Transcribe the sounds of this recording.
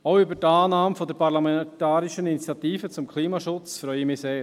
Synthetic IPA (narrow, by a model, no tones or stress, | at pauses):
aʊybəɾtaːnaːmfɔdɛɾpʰaɾlamɛtaːɾiʃəninit͡sijatiːfət͡sʊmkʰliːmaʃʊt͡sfɾœʏəmiseːɾ